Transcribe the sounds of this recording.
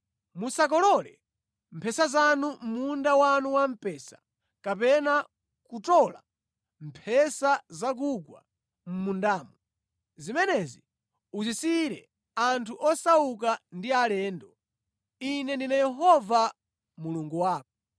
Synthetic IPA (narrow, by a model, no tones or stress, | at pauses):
musak̬ɔlɔlɛ | m̩pʰɛsazanum̩mundawanuwam̩pɛːsḁ | kapɛna | kutɔla | m̩pʰɛsazak̬ukwa̰ | m̩mundaːmu | zimɛnɛzi | uzisiɾɛ | antʰuʔɔsauk̬andialɛːndɔ | inɛndinajɛɦɔva | muluŋɡuwaːk̚ɔ